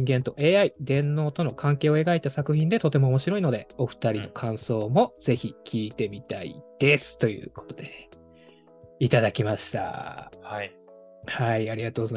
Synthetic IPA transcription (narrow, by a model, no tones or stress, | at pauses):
ĩŋɡẽ̞nt̪o̞ʔeːaid̪ẽ̞nːo̞ːt̪o̞no̞kʰãŋke̞ːo̞e̞ɡait̪asakɯ̟çʲĩnd̪e̞t̪o̞t̪e̞mo̞ːmo̞ɕiɾo̞ino̞d̪e̞o̞ɸɯ̟̥t̪aɾʲino̞kʰãɰ̃so̞ːmo̞z̥e̞çikʲʰiːt̪e̞mʲit̪aḭd̪̥e̞sɨ̥t̪o̞jɯ̟̰ːko̞̥t̪o̞d̪e̞ | it̪ad̪akʲimaɕi̥t̪a̰h | haiaɾʲiɡat̪oːɡoz